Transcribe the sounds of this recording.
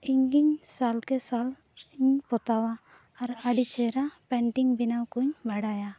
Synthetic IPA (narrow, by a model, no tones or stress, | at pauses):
ɪŋɡɪŋsaːlkesaːl | ɪŋpɔt̪aːwa | ɔɾaɖit͡ʃeːɾapɛ̃ːɳʈɪ̃ŋɡbɪnakunbʱəɽaːjaː